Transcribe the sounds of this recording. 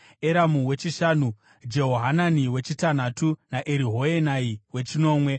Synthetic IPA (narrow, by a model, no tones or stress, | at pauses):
eɾamuwe̞t͡ʃiʃaːnu | d͡ʒeɦoɦananiwe̞t͡ʃitanatunaʔeɾiɦo̞enaiwe̞t͡ʃino̞ːmwe̞